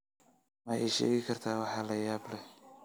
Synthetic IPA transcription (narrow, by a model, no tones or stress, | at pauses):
mɐjɛjʃɛ̰ːɣɪkʰɐrt̪ʰaːwɑħɑːlɐjaːblɛ